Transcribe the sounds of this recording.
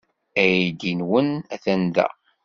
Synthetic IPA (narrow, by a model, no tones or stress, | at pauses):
æjid̪inwənæθænðæ̰